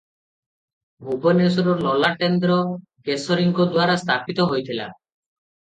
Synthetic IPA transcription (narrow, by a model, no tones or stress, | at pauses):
bʱubɔnesɔɾɔɾlɔlaʈend̪ɾɔ | ɡesɔɾiŋɡɔd̪waɾast̪ʰapit̪ɔɦojt̪ʰila̰